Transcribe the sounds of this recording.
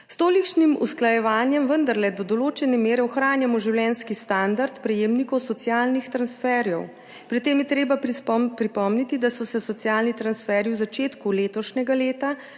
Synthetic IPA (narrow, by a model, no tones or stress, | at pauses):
st̪oːlikʃnimṵsklajɛʋaːnjɛmʋənd̪aɾlɛd̪ɔd̪ɔloːt͡ʃɛnɛmeːɾɛɔxɾaːnjamɔʒiwlʲɛnskist̪and̪aɾt̪pɾɛjeːmnikɔwsɔt̪sijaːlnixt̪ɾansfɛɾjɛ̰w | pɾit̪ːeːmjɛt̪ɾeːbapɾipɔmnit̪id̪asɔsɛsɔt̪sijaːlnit̪ɾansfɛɾiwzat͡ʃeːt̪kuleːt̪ɔʃnɛɡaleːt̪a